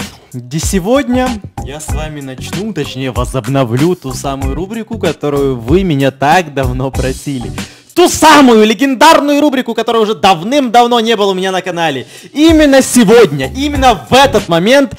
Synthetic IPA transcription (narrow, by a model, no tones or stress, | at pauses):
ɡdʲesʲɪvo̞dʲnʲəjasvamʲɪnɐt͡ɕnut̪ɐt͡ɕnʲejəvəzəbnɐvlʲut̪usamʊjʊɾubɾʲɪkʊkɐt̪o̞ɾʊjʊvɨmʲɪnʲat̪akd̪ɐvno̞pɾɐsʲilʲɪ̰ | t̪usamʊjʊlʲɪɡʲɪnd̪arnʊjʊɾubɾʲɪkʊkɐt̪oɾəjəʊʐɛd̪ɐvnɨmd̪ɐvn̪o̞nʲe̞bɨlˠəʊmʲɪnʲanəkɐnalʲɪ | imʲɪnːəsʲɪvodʲnʲəʔimʲɪnːəvɛt̪ət̪mɐmʲe̞nt̪